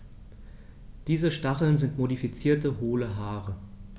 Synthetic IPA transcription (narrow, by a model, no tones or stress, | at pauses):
d̥iːzəʃtaχl̩nzɪntmodifit͡siːɐtəɦoːləɦaːʁə